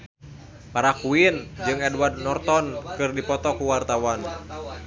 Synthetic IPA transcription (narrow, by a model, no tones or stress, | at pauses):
paɾakuind͡ʒɨŋɛdward̚nɔrt̪ɔnkɨrdipɔt̪ɔkuwart̪awan